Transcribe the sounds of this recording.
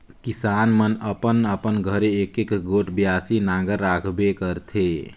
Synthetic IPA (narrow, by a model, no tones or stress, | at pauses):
kisaːnmənəpənəpənɡʱəɾeːkekɡoʈʰbjasinaɡəɾːakʰbekəɾt̪ʰe